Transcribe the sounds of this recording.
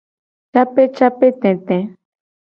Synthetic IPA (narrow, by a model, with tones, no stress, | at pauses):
t͡ʃa˦pe˦t͡ʃa˦pe˦t̪ɛ̃˨t̪ɛ̃˨